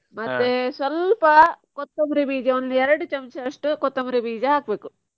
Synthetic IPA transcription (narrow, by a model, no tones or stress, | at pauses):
mɐt̪ːesɐlpɐkɔt̪ːɐmɾibiːd͡ʒɐɐnliɛɾɐɽut͡ʃɐmt͡ʃɐʂʈukɔt̪ːɐmɾibiːd͡ʒɐakʋeku